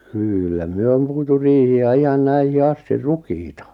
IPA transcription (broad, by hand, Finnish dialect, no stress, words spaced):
kylːæ myø om puitu riːhiæ ihɑn næihi ɑsti rukiːtɑ